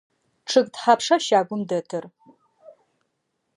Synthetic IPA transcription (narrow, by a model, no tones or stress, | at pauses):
ʈ͡ʂʰɨɡʼtħapʰʂɐʃaːɡʷʊmdɐtʰɨr